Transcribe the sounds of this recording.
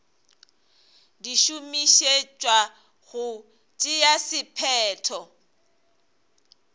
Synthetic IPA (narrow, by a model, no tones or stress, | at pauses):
diʃumiʃet͡ʃʼwa | ɣʊ | t͡ʃʼɪjasɪpʰɛːtʰɔ